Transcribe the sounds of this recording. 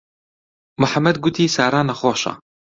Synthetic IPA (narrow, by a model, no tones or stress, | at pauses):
mʊħamːɐd̪ɡʊt̪ʰiːsaːɾaːnɐxoːʃɑ̰